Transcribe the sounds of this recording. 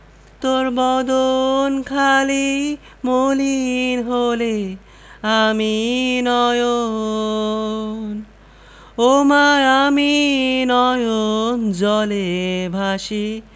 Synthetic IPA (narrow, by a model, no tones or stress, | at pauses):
t̪oɾbɔd̪onkʰali | molinɦole | aminɔjo | n | omaaminɔjond͡ʑɔlebʱaʃi